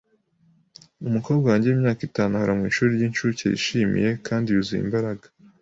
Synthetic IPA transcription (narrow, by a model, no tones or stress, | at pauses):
umuko̞ːbɡawaːɲɟewimɲaːkitaːnuhoɾamŋiːʃuːɾiɾɟinʃuːcḛjḭʃimḭje̞kʰaːndiuzijḭmbaɾaɡḁ